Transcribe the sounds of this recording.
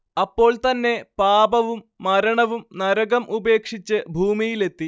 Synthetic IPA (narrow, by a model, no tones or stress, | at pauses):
ɐpːo̞ːɭt̪ɐnːe̞paːbɐʋumːɐɾɐɳɐʋumnɐɾɐɣɐmʔube̞ːkʂit͡ɕːɨbʱuːmijile̞t̪ːi